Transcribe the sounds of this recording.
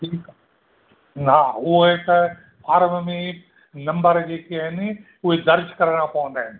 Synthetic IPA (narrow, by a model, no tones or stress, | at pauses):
ʈʰiːk | nɦaːʊɦoet̪ɐ | pʰaːɾmmẽ | nɐ̃mbəɾd͡ʑeːkiaɦɪnɪ̆ | ʊɦed̪ɐɾd͡ʒkɐɾəɽ̃ãpɐʋə̃nd̪aːɦɪnɪ̆